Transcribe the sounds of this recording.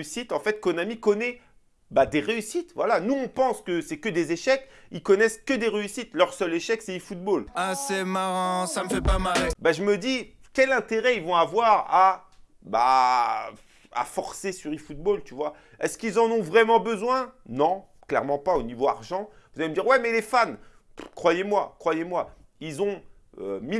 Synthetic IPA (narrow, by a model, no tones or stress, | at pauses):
ysit̪ɑ̃fɛt̪̚kɔnamikɔnɛ | bad̪eʁeysit̪vwalanuɔ̃pɑ̃skəsɛkəd̪ezeʃɛkilkɔnɛskəd̪eʁeysit̪lœʁsœleʃɛksɛifut̪̚bolasɛmaʁɑ̃saməfɛpamalbaʒəməd̪i | kʲɛlɛ̃t̪eʁɛilvɔ̃avwaʁa | ba̰ | a̰fɔʁsesyʁifut̪̚bolt̪yvwa | ɛskilzɑ̃nɔ̃vʁɛmɑ̃bəzwɛ̃nɔ̃ | klɛ̰ʁmɑ̃paonivoa̰ʁʒɑ̃vuzaleməd̪iʁwɛmɛlefan | kχwajemwakχwajemwa | ilzɔ̃ | ømi